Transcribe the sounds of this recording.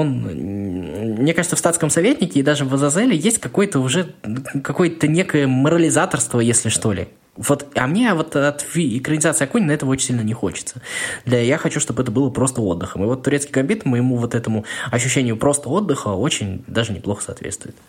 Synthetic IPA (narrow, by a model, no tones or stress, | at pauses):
o̞n̰ | mnʲekaʐɨt̪səfst̪at̪skəmsɐvʲetʲnʲɪkʲɪːd̪aʐɨvəzɐzɛlʲɪjesʲtʲkɐko̞jət̪əʊʐɛkɐko̞jət̪ənʲe̞kəjəməɾəlʲɪzat̪ərst̪vəjesʲlʲɪʂt̪o̞lʲɪ̰ | vo̞t̪ɐ̰mnʲe̞vo̞t̪ɐt̪vʲiɪkɾənʲɪzat̪sɨɐkunʲɪnɐɛt̪əvəot͡ɕɪnsʲilʲnənʲɪxo̞̰t͡ɕɪ̥t̪səd̪lʲajaxɐt͡ɕuʂt̪o̞bɛt̪əbɨlˠəpɾo̞st̪əo̞d̪ːɨxəmɨvo̞t̪ːʊɾʲet̪skʲɪɡɐmʲbʲit̪əmjɪmuvo̞t̪ɛt̪əmʊɐɕ̬ːʉɕ̬ːenʲɪjʊpɾo̞st̪əo̞d̪ːɨxəo̞t͡ɕɪnʲd̪aʐɨnʲɪplˠo̞xəsɐ̰ːt̪vʲḛt̪st̪vʊ̰ɪt̪